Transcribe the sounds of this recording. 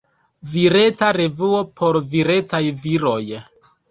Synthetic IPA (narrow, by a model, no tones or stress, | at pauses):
viɾe̞t͡saɾe̞vuo̞pʰo̞ɾviɾe̞t͡sajviɾo̞j